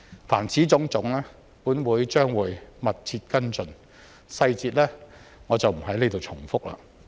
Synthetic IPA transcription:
faː˨˩nt͡sʰiː˨˥t͡sʊ˨˧˥ŋt͡sʊ˨˥ŋlɛː˥ | puː˨˥nwuː˨˧jt͡ʃœː˥ŋwuː˨˧jmɐ˨t̚t͡sʰiː˧t̚kɐ˥nt͡sɵ˨n | sɐ˧jt͡siː˧t̚lɛː˥ŋɔː˨˧t͡sɐ˨wm̩˨˩ɦɐ˨˥jle˨˧jt̪o˨wt͡sʰʊ˨˩ŋfʊ˥k̚la̰ː˧

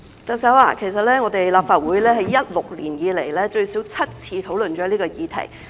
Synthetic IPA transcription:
t̪ɐ˨ŋsɐ˨˥wa̰ː˧kʰe˨˩js̬ɐ˨t̚lɛː˥ŋɔ˨˧t̪e˨jlaː˨p̚faː˧t̚wuː˨˥jlɛː˥ɦɐ˨jːɐ˥t̚lʊ˨k̚lḭː˨˩njiː˨˧le˨˩jlɛː˥t͡ʃɵ˧ɥsiː˨˥wt͡sʰɐ˥t̚t͡sʰiː˧t̪ʰo˨˥wlɵ˨˩nt͡ʃɔː˨˥liː˥kɔː˧jiː˨˧t̪ʰɐ̰˨˩j

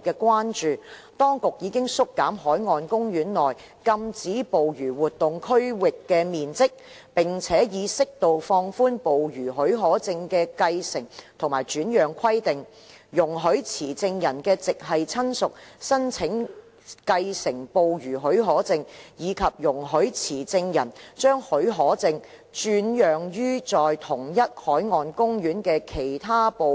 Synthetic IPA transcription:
kɛː˧kwaː˥nt͡ʃyː˨ | t̪ɔː˥ŋkʊ˨k̚jiː˨˧kɪ˥ŋsʊ˥kːaː˨˥mɦɔː˨˥jŋɔː˧nkʊ˥ŋjyː˨˥nlɔː˨˩j | kɐ˧mt͡siː˨˥po˨wjyː˨˩wuː˨t̚t̪ʊ˨ŋkʰɵ˥ɥwɪ˨kːɛː˧miː˨nt͡sɪ˥k̚ | pɪ˨˩ŋt͡sʰɛː˨˥jiː˨˧sɪ˥k̚t̪o˨wfɔː˧ŋfuː˥npo˨wjyː˨˩ɦɵ˨˥ɥɦɔː˨˥t͡sɪ˧ŋkɛː˧kɐ˧jsɪ˨˩ŋt̪ʰʊ˨˩ŋmaː˨˩jt͡ʃyː˨˥njœː˨˩ŋkʷʰɐ˥jt̪ɪ˨ŋ | jʊ˨˩ŋɦɵ˨˥ɥt͡sʰiː˨˩t͡sɪ˧ŋjɐ˨˩nkɛː˧t͡sɪ˨k̚ɦɐ˨jt͡sʰɐ˥nsʊ˨k̚sɐ˥nt͡sʰɪ˨˥ŋ | kɐ˧jsɪ˨˩ŋpo˨wjyː˨˩ɦɵ˨˥ɥɦɔː˨˥t͡sɪ˧ŋjiː˨˧kʰɐ˨p̚jʊ˨˩ŋɦɵ˨˥ɥt͡sʰiː˨˩t͡sɪ˧ŋjɐ˨˩nt͡ʃœː˥ŋhɵ˨˥ɦɔː˨˥t͡sɪ˧ŋ | t͡ʃyː˧njœː˨ŋjyː˥t͡sɔː˨jt̪ʰʊ˨˩ŋjɐ˥t̚hɔː˨˥jŋɔː˧nkʊ˥ŋɥyː˨˥nkɛː˧kʰe˨˩jt̪ʰaː˥po˨

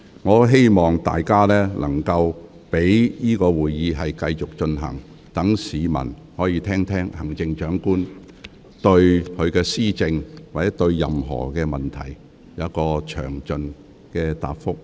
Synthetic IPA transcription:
ŋɔː˨˧ɦe˥jmɔː˨ŋt̪a̰ː˨jkaː˥lɛː˥lʔɐ˨˩ŋkɐ˧w | pe˨˥jjiː˥kɔː˧wuː˨jjiː˨˧ɦɐ˨jkɐ˧jt͡ʃʊ˨k̚t͡ʃɵ˧nɦɐ̰˨˩ŋ | t̪ɐ˨˥ŋsiː˨˧mɐ̰˨˩n | hɔː˨˥jiː˨˧t̪ʰɛː˥ŋt̪ʰɛː˥ŋhɐ˨˩ŋt͡sɪ˧ŋt͡ʃœː˨˥ŋkuː˥n | t̪ɵ˧ɥkʰɵ˨˧ɥkɛː˧siː˥t͡sɪ˧ŋwaː˨t͡sɛ˨˥t̪ɵ˧ɥjɐ̰˨mɦɔ̰ː˨˩kɛː˧mɐ˨˩nt̪ʰɐ̰˨˩j | jɐ˨˥kɔː˧t͡ʃʰœ̰ː˨˩ŋt͡ʃɵ˧n | kɛː˧t̪a̰ː˨pfʊ˥k̚

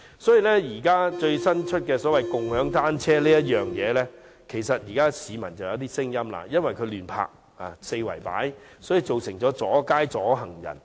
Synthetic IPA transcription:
sɔː˨˥jiː˨˧lɛ˥jiː˨˩kaː˥t͡ʃɵ˧ɥsɐ˥nt͡ʃʰɵ˥t̚kɛː˧sɔː˨˥wɐ˨jkʊ˨ŋhœː˨˥ŋt̪aː˥nt͡ʃʰɛː˥liː˥jɐ˥t̚jœː˨ŋjɛː˨˧lɛː˥ | kʰe˨˩jsɐ˨t̚jiː˨˩kaː˥siː˨˧mɐ˨˩nt͡sɐ˨wjɐ˨˥wt̪iː˥sɪ˥ŋjɐ˥mla̰ː˧jɐ˥nwɐ˨jkʰɵ˨˧lyː˨˩npʰa̰ː˧k̚ | a˨se˧jwɐ̰˨˩jpa̰ː˨˥jsɔː˨˥ji˨˧t͡so˨wsɪ˨˩ŋt͡sɔː˨˥t͡sɔː˨˥kaː˥jt͡sɔː˨˥ɦɐ˨˩ŋjɐ̰˨˩n

